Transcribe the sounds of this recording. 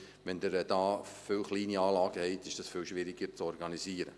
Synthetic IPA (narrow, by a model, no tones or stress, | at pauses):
ʋɛnd̪əɾɛd̥ɑːfʏlχliːniɑːlɑːɡ̥əhɛɪt̪ɪʃd̥ɑsfɪlʃʋɪɾɪɡəɾt͡sɔɾɡɑniziːəɾə̰